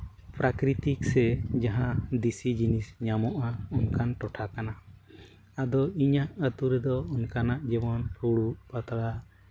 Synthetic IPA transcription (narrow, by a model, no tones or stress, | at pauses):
pɾakɾit̪iksɛd͡ʒaɦãd̪isid͡ʒinisɲamɔʔaunkanʈɔʈʰakana | ad̪ɔiɲaʔət̪uɾɛd̪ɔunkanaʔd͡ʒɛbɔnpɾuɽuʔpat̪ɾa